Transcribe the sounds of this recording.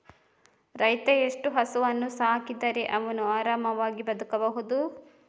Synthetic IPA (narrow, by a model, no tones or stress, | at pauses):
ɾɐjt̪eeʂʈuɦɐsuʋɐnːusaːkid̪ɐɾe̞ʔɐʋɐnuaːɾaːmɐʋaːɡibɐd̪ukɐbɐɦud̪u